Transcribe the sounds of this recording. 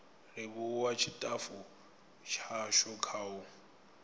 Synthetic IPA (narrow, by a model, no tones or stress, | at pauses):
rɪβʊwat͡ʃʰitʼafʊ | t͡ʃʰaʃɔkʰaːʊ